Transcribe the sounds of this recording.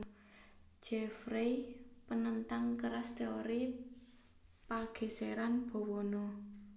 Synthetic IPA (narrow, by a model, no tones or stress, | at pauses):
d͡ʒ̥ɛfɾepənənt̪aŋkəɾast̪eoɾi | paɡ̥e̤seɾanb̥ɔ̤wɔnɔ